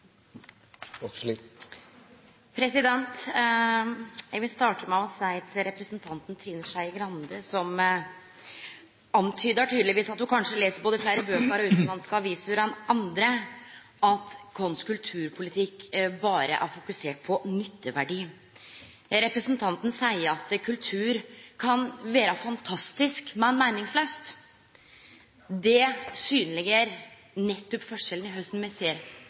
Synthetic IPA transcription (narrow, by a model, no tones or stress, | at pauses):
pʰɾɛsɪd̪ɛnt̪ | jæʋɪst̪ɑːʈəmɛɑʋɔsæɪt̪ɾɛpɾəsnt̪ʰɑnt̪n̩t̪ʰɾiːnəʂæɪɪɡɾɑnd̪əsɔm | ɑnt̪ʰyːd̪əʈʰyːd̪lɪʋiːsɑt̪hʊkʰɑnʂəleːsəɾboːd̪əflæːɾəbøːkəɾɔʉːt̪nlɑnskɑɑɾʋiːsfʉɾɑnʔɑnd̪ɾə | ɑt̪kʰɔnskʉlt̪ʰʉːɾpʰʊlɪt̪ʰɪkːbɑːɾə̰ʔæɾfʊkʉseːʈ̚pʰɔnʏt̪ːəʋæɖiː | ɾɛpɾəsnt̪ʰɑnt̪n̩sæɪəɾɑt̪kʰʉlt̪ʰʉːɾkʰɑnʋeːɾɑfɑnt̪ʰɑst̪ɪskmɛnmæɪnɪŋsløːst̪ | d̪ɛsyːnəlɪɡəɾ | nɛt̪ːʉpːfɔʂɛln̩ɪɦœst̪n̩mɛseːəɾ